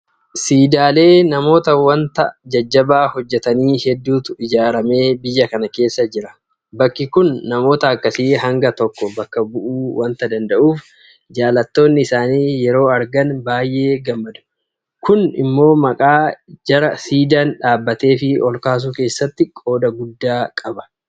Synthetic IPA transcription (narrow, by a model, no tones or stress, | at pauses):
siːd̪aːle̞ːnɐmo̞ːt̪ɐwɐnt̪ɐd͡ʒɐd͡ʒːɐbaːhɔd͡ʒːɛt̪ɐniːhɛd̪ːuːt̪ʊɪd͡ʒaːɾɐme̞ːbɪjːɐkɐnɐke̞ːsːɐd͡ʒɪɾɐ | bɐkːɪkʊnːɐmo̞ːt̪ɐːkːɐsiːɦɐŋɡɐt̪ɔkːɔbɐkːɐbʊʔuːwɐnt̪ɐd̪ɐnd̪ɐʔuːf | d͡ʒaːlɐt̪ːo̞ːnːɪɪsaːniːjɛɾo̞ːɐɾɡɐnbaːjʔe̞ːɡɐmːɐd̪ɐ̥ | kʊnɪ̰mːo̞ːmɐkʼaːd͡ʒɐɾɐsiːd̪anᶑaːbːɐt̪e̞ːfɪɔlkaːs̬uːke̞ːsːɐt̪ːɪkʼo̞ːd̪ɐɡʊd̪ːaːkʼɐbɐ̥